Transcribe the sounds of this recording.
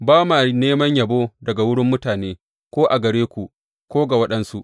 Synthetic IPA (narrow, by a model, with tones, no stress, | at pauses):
baː˦ma˨neː˦mɐ˦ɲjɐ˨boː˦dɐ˨ɡa˨wʊ˦ɽɪ˦mːʊ˦taː˨neː˦ | kʷoː˦ʔa˨ɡɐ˨ɽeː˦kʷu˨ | kʷoː˦ɡa˨wɐ˦ɗɐ˦nsu˦ʔ